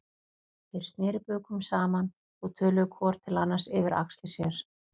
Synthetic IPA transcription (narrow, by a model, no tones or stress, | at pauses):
θeɾ̥st̪nɛːɾɪpœːkʏmsaːman | ɔɣt̪ʰœːlʏɣʏkʰvɔːɾ̥t̪ʰɪlanːasɪːvɪɾa̰kst̪ɪsjɛɾ̥